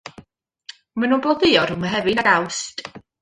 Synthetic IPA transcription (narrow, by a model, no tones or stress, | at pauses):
manunbɔðɪɔrʊmaɦɛvɨnaɡawst